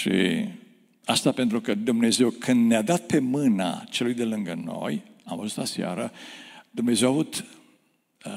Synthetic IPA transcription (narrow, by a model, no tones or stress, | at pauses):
ʃḭ | ast̪apent̪ɾukəd̪umne̞ze̞wkʰɨnd̪nead̪at̪̚pe̞mɨna̰t͡ʃelujd̪e̞lɨŋɡəno̞̰j | amvəzust̪lasea̰ɾəd̪umne̞ze̞wavut̪